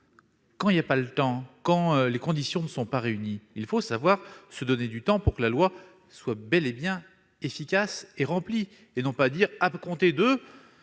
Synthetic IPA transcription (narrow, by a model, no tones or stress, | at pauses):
kɑ̃iljapalət̪ɑ̃kɑ̃lekɔ̃d̪isjɔ̃nəsɔ̃paʁeyniːlfosavwaʁsəd̪ɔned̪yt̪ɑ̃puʁkəlalwa | swabɛlebjɛ̃ | efikʲaseʁɑ̃pli | enɔ̃pad̪iʁapkɔ̃t̪ed̪ə